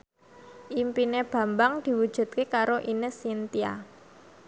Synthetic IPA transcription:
ʔimpineb̥ä̤mbaŋd̪̥i̤wud̥ʒ̥ṳd̪̚kekaɾoʔinɪsint̪ia̰

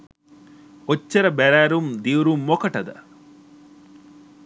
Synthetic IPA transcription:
ot͡ʃːɐɾɐbæɾæːɾumd̪iuɾumːokɐʈɐd̪ɐ̰

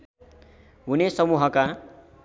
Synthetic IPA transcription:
ɦunesʌmuɦʌka

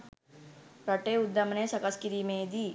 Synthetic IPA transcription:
ɾɐʈeud̪ːɐmnesɐkɐskiɾimẽd̪iː

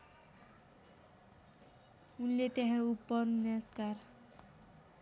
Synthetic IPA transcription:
unlet̪eɦãupːʌnjaskar

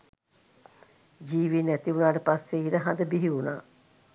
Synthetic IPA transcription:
d͡ʒiːʋinɛt̪iunaːʈəpasːeiɾəɦand̪əbiɦiuna̰ː

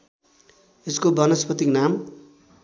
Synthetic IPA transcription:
eskobʌnʌspʌt̪iknam

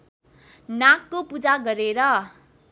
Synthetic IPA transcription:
nakːopud͡zaɡʌɾeɾʌ

